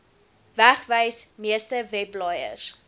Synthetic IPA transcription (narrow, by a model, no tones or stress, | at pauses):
væχvəjsmiəstəvɛplɑjə̰s